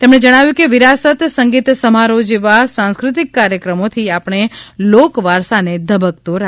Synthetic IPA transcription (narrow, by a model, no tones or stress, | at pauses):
t̪emɳ̃ed͡ʒəɽ̃aʋjũkeʋiɾasət̪səŋɡit̪səmaɾod͡ʒeʋasãnskɾut̪̬ikːaɾjəkɾəmot̪ʰiapɳ̃elokʋaɾsaned̪ʱəbək̚t̪oɾa